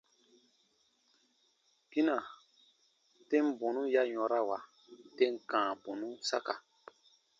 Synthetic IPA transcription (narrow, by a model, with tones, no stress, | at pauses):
ki˦na˨ | te˦m˦bo˨nũ˦ja˦ɲɔ̃˨ɾa˦wa˨ | te˦ŋ˦kãː˨bo˨nũ˦sa˦ka˨